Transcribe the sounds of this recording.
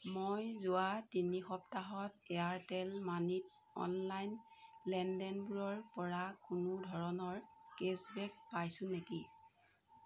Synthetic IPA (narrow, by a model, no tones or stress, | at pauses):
mojzʊatinixɔptaɦɔtɛaɹtɛlmanit̚ | ɔ̰nlajnlɛndɛnbuɹɔɹpɔɹakʊnʊdʱɔɹɔnɔɹkesbɛk̚pajsʊ̃neki